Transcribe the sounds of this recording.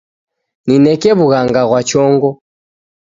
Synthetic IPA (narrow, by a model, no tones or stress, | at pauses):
ninɛkɛβuɣaŋɡaɣwat͡ʃɔŋɡɔ